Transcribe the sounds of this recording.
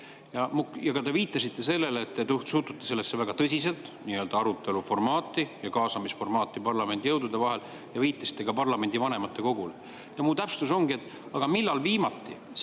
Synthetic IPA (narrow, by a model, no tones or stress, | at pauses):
jɑmukjɑkɑt̪e̞viːt̪ˑːɑsit̪ːe̞se̞lːe̞leːt̪ːet̪uht̪suːt̪ut̪ːˑese̞lːesːe̞væɡ̥ɑt̪ɤsʲise̞lt̪ˑnijø̞ːld̪̥ɑɑɾut̪ːˑe̞lufo̞rmɑːt̪ːˑijɑkɑːsɑmisfo̞rmɑːt̪ˑːipɑrlɑme̞nd̪̥ijɤwd̪ud̪e̞vɑɦe̞l | jɑviːt̪ːˑɑsi̥t̪ːˑe̞kɑpɑrlɑme̞nʲd̪̥ivɑne̞mɑt̪ːe̞ko̞ɡ̥ule | jɑmut̪æpst̪uso̞ŋɡie̞t̪ːˑ | ɑɡ̥ɑmilːɑlviːmɑt̪ːḭ